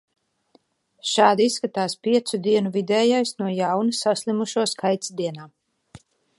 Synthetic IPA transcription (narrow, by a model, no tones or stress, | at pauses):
ʃaːd̪isːkat̪aːspiɛt̪sud̪iɛnuvid̪ɛːjajsnuɔjawnusaslʲˠimuʃuɔskajt̪sd̪iɛnaː